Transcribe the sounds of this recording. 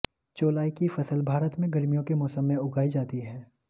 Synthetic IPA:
t͡ʃoːlaːikifɐsəlbʱaːɾət̪mẽɡɐɾmijõkemɔːsəmːẽʊɡaːid͡ʒaːt̪iɦɛː

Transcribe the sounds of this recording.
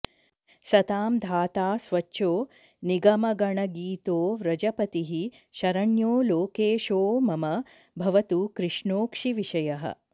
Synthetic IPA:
sɐt̪aːmd̪ʱaːt̪aːsʋɐt͡ʃːʃoː | niɡɐmɐɡɐɳɐɡiːt̪oːɾɐd͡ʒɐpɐt̪iɦi | ʃɐɾɐɳjoːloːkeːʃoːmɐmɐ | bʱɐʋɐt̪ukɾɪʂɳoːkʂiʋiʂɐjɐɦɐ̰

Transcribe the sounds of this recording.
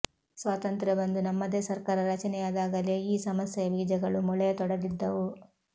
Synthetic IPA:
sʋaːt̪ɐnt̪ɾɐbɐnd̪unɐmːɐd̪e̞ːsɐɾkaːɾɐɾɐt͡ʃɐnɛjaːd̪aːɡɐle̞ːiːsɐmɐsjɐʋiːd͡ʒɐɡɐɭumɔɭɛjɐt̪ɔɽɐɡ̪id̪ːɐʋu

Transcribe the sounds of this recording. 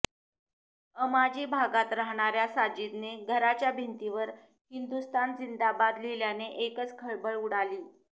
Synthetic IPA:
əmad͡ʑiːbʱaɡat̪ɾaɦɽ̃aɾjasad͡ʑit̪neɡʱəɾat͡ɕjabʱint̪iʋəɾ | hind̪ust̪and͡zind̪abad̪leljaneʔekət͡skʰəɭbəɭuɽ̤aliː

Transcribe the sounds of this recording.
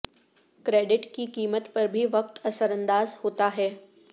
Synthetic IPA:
kɾeɖɪʈkiːkiːmət̪pəɾbʱiːʋək̚t̪əsəɾənd̪aːzhot̪aɦɛ

